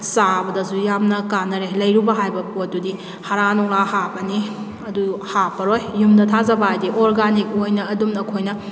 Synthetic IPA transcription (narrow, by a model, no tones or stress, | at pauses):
sabɐdɐsujamnɐkanːɐɾelɐjɾubɐɦajbɐpot̚dudi | hɐɾanɔŋlahapɐni | ɐduhapɐɾojːumdɐtʰazɐbɐjdiʔoɾɡanik̚ojnɐːdumɐkʰojnɐ